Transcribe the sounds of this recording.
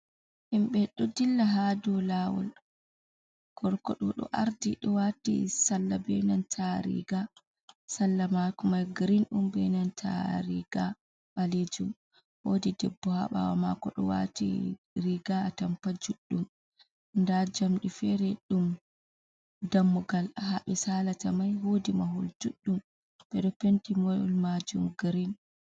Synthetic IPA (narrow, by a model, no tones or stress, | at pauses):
ʔimɓɛɗɔdilːaɦadɔlawɔ̰l | ɡ̥ɔɾkɔ̰ɗɔɗɔ̰ʔaɾdiɗɔwatḭsalːabɛnantʰaɾḭɡa | salːamakumaɡɾinɗumbɛjnantʰa̰ɾiɡa | ɓaled͡ʒum | wodidɛbːɔha̰ɓa̰wama̰kɔɗɔ̰wa̰tḭ | ɾiɡaːtampad͡ʒuɗːum | ndad͡ʒamɗifɛɾɛɗum | damːuɡalahaɓɛsalatamajhodimaɦuld͡ʒuɗːum | ɓɛɗɔpentimɔ̰lmad͡ʒumɡɾin